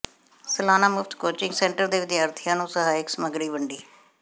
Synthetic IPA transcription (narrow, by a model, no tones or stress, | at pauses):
səlaːnaːmʊfʰt̪koːt͡ʃɪ̃ŋɡsɛ̃ːɳʈəɾd̪eːʋɪd̪jaːɾt̪ʰɪjãːnũːsəɦaːɪksəməɡɽiːbəɳɖiː